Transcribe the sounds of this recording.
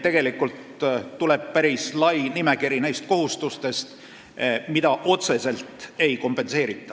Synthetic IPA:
t̪e̞ɡ̥e̞likːˑult̪ː | ule̞b̥̚pæɾislɑjnime̞kiɾinæjst̪̚ko̞ɦust̪ust̪e̞st̪ | mid̪̥ɑʔo̞t̪se̞se̞lt̪ˑe̞jko̞mpˑe̞nse̞ːɾit̪ːˑɑ̥

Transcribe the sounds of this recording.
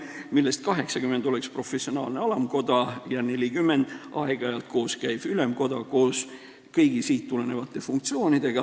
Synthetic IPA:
milːe̞st̪̚kɑɦe̞ksɑkymːe̞nd̪̥o̞le̞kspro̞fesio̞nɑːlne̞ɑlɑmko̞d̪ɑjɑne̞lʲikymːe̞nd̪̥ɑeɡ̥ɑɑjɑlt̪̚ko̞ːskæjb̥ylemko̞d̪̥ɑko̞ːs | kɤjɡ̥isiːt̪ːule̞ne̞vɑt̪ːˑefuŋkt̪sio̞ːnid̪̥e̞ɡ̥ɑ

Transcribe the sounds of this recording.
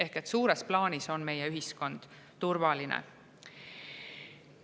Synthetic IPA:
e̞hket̪ːsuːɾe̞splɑːnʲiso̞nme̞je̞yɦisko̞nd̪̥ | t̪urvɑlinḛ

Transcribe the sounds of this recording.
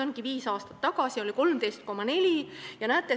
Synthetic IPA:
onkiviːsɑːst̪ɑ̥t̪ːɑɡɑsio̞lʲiko̞lmt̪e̞jst̪̚ko̞mːɑne̞lʲijɑnæːt̪ːˑe

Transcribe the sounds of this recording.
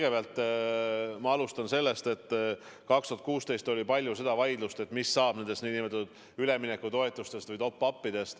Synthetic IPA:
ɡ̥e̞beɑlt̪ːˑ | mɑɑlust̪ɑnse̞lːe̞st̪e̞t̪ː | kɑkst̪uɑt̪̚kuːst̪e̞jst̪o̞lʲipɑlʲjuse̞d̪̥ɑvɑjd̪lust̪e̞t̪ːˑmisːɑːb̥ne̞nd̪e̞st̪niːnimet̪ːud̪̥ | yle̞mine̞kːˑut̪o̞e̞t̪ːˑust̪e̞st̪vɯjt̪o̞pːɑpːid̪̥e̞st̪

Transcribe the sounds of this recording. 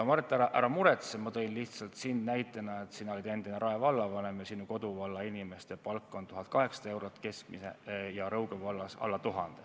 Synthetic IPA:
mɑrt̪ːˑæɾɑʔæɾɑmuɾet̪semɑt̪o̞inliht̪sɑlt̪sinnæjt̪ːˑɑnɑet̪siːnolʲid̪e̞nd̪ineɾʔɑevɑlːɑvɑne̞mjɑsinuko̞d̪̥uvɑlːɑinʲime̞st̪e̞pɑlkːˑo̞nt̪uɦɑt̪̚kɑɦe̞ksɑd̪̥ɑe̞wɾot̪ːˑke̞skmisḛjɑɾɤwɡevɑlːɑsɑ̰lːɑt̪uɦɑnd̪̥e

